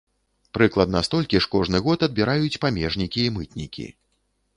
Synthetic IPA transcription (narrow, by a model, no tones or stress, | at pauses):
pɾɨklˠɐd̪nɐst̪ɔlʲkʲiʂkɔʐnɨɣɔt̪ɐd̪̚bʲiɾajut͡sʲpamʲɛʐnʲikʲiːmɨt̪nʲḭkʲḭ